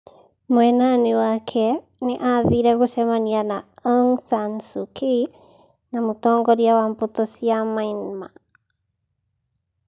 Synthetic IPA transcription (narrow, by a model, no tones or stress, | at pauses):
moɛnanewakʰɛ | nɛʔaðiɾaɣosɛmanianaɔŋsansukʰi | namotɔːŋɡɔɾiawampot̪osiamainma